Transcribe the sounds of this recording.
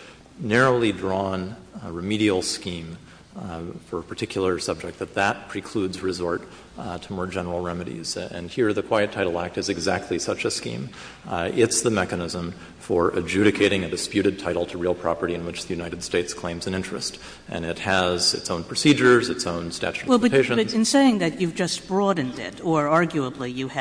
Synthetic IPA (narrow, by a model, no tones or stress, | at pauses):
nɛɹoʊlˠidɹɔ̃nɹɨmiɾil̩ˠskĩɱ | fə˞əpʰə˞tʰɪkʰjl̩ˠə˞sʌb̚d͡ʒɨk̪̚ðɨt̪̚ðət̚pʰɹ̥ikʰl̥ʉdzɹɨzɔɹt | tʰəmɔɹd͡ʒɛnə˞l̩ˠɹɛmɨɾḭz̥ɨ̰̃nhiɹðɨkʰw̥aɪɨtʰaɪɾl̩ˠæk̚tɨzɨɡzæk̚tʰˡlisʌt͡ʃɨskḭ̃m | ɪtsðəmɛkɨnɪzə̃ɱ | fə˞ʔɨd͡ʒʉɾɨkʰeɪɾɪ̃ŋɨdɨspjʉɾɨd̚tʰaɪɾl̩ˠtʰəɹilˠpʰɹ̥ɑ̰pə˞ɾiɨ̃nwɨt͡ʃðɨjʉnaɪɾɨd̥steɪtskʰl̥ẽɪ̃mzɨ̃nɪ̃nt͡ʃɹ̥ɨ̰st | ʔɨ̰̃nɪt̚ɨzɨ̰tsõʊ̃npʰɹ̥ɨsid͡ʒə˞zɨtsõʊ̃nstæ̰t͡ʃʉɾwɛlˠbʌpeɪʃɨ̃ʌɨ̃nseɪɪ̃ŋðɨt͡ʃʉvd͡ʒʌstb̥ɹɔdⁿn̩dɪ̰ɾə˞ɑɹɡjʉəblijɨ